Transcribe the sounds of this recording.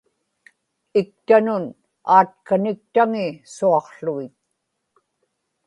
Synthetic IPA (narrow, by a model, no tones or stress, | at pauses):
ɪk̚t̪anʊn | aːt̪̚kanɪk̚t̪aŋɪsuɑqɬuɣɪt̪